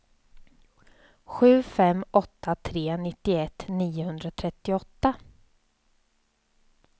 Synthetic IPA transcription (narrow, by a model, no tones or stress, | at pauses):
ɧʉ̟ːfɛmʔɔt̪ːat̪ʰɾeːnɪt̪ːɪɛt̪ːniːʊhɵnd̪ɾat̪ʰɾɛt̪ːɪɔt̪ːa